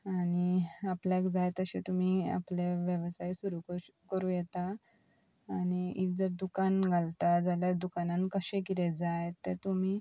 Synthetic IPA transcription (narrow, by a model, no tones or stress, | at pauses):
añiapljakd͡zajt̪əɕet̪um̤ia̰pleʋjəʋsajsuɾukəkəɾũːjɛt̪aː | ñiikd͡zəɾd̪ukanɡʱalt̪ad͡zaljad̪ukanankəɕẽkiɾed͡zajt̪ːet̪um̤iː